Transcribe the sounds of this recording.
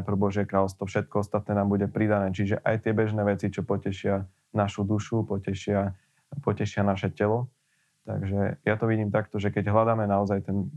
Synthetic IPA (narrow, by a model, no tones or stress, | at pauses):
pɾ̩bɔʒɪɛkɾaːlɔst̪ʋɔfʃɛt̪̚kɔɔst̪at̪̚nɛːnaːmbuɟɛpɾid̪anɛːt͡ʃiʒɛʔajt̪ɪɛbɛʒnɛːʋɛt͡sit͡ʃɔpɔcɛʃɪa | naʃud̪uʃupɔcɛʃɪa | pɔcɛʃɪanaʃɛcɛlɔ | t̪a̰ɡʒɛjat̪ɔʋiɟiːmt̪akt̪ɔʒɛkɛɟɦlad̪aːmɛnaɔzajt̪ɛn